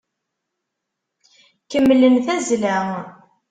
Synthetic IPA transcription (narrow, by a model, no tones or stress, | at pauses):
kəmːlənθæzlæ